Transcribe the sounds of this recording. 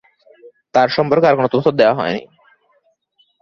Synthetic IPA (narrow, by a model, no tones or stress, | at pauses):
t̪aɾʃɔmpoɾkeaɾkonot̪ot̪ʰːod̪eoaɦɔ̰enḭ